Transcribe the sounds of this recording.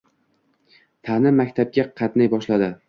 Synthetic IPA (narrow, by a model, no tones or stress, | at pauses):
t̪ʰanɪmakʲt̪ʰab̚ɡʲaqʰɑt̪najbɒʃlad̪ɪ